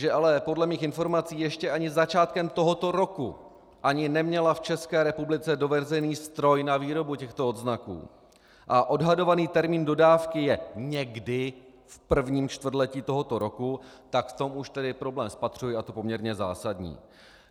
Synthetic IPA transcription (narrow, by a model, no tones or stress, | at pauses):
ʒɛʔalɛpo̞dlɛmiːxɪnfo̞ɾmat͡siːjɛʃcɛʔaɲɪzat͡ʃaːt̪̚kɛmt̪o̞ɦo̞t̪o̞ɾo̞ku | ʔaɲɪnɛmɲɛlaft͡ʃɛskɛːɾɛpublɪt͡sɛdo̞vɛzɛjniːst̪ɾo̞jnaviːɾo̞bucɛxt̪o̞od̪znakṵː | ʔaʔo̞dɦado̞vaniːt̪ɛɾmiːndo̞daːfkɪjɛɲɛɡdɪ | fpr̩vɲiːmt͡ʃt̪vr̩dlɛciːt̪o̞ɦo̞t̪o̞ɾo̞kut̪akft̪o̞muʃt̪ɛdɪpɾo̞blɛːmspat̪r̝̥ujɪat̪o̞po̞mɲɛɾɲɛza̰ːsadɲḭː